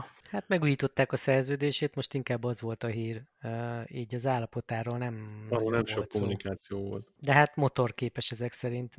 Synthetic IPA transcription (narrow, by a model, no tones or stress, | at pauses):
hat̪mɛɡuːjiːt̪o̞t̪ːaːkɒsɛrzøːd̪eːʃeːt̪mo̞ʃt̪iŋkaːbːɒzʋo̞lt̪ɒɦiːr | iːɟɒzaːlːɒpo̞t̪aːɾoːlnɛmɒɾolnɛmʃokːomːunikaːt̪sijoːvo̞̰lt̪d̪ɛɦat̪mo̞t̪o̞rkeːpɛʃɛzɛksɛɾint̪